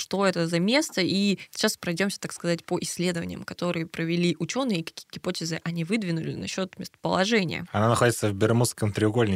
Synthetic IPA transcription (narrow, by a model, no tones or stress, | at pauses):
ʂt̪o̞ɛt̪əzɐmʲe̞st̪əi̥t͡ɕːaspɾɐjdʲo̞msʲə̥t̪akskɐzatʲpoʔɪsʲlʲe̞d̪əvə̰nʲɪjəmkɐt̪o̞ɾɨjəpɾəvʲɪlʲiʔʊt͡ɕo̞nːɨjəikɐ̥kʲi̥jəɡʲɪpotʲɪzɨʔɐnʲivɨd̪vʲɪnʊlʲɪ̰nɐɕːo̞t̪mʲɪst̪ə̥pəlˠɐʐɛnʲɪjə̰ɐnanɐxo̞dʲɪt̪səvbʲɪrmuskəmt̪ɾʲɪʊɡo̞lʲnʲɪ